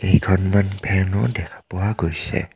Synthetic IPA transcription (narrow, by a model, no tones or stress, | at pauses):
ejkʰɔnmanpʰɛnɔdɛkʰḁpɔwaɡojsɛ̰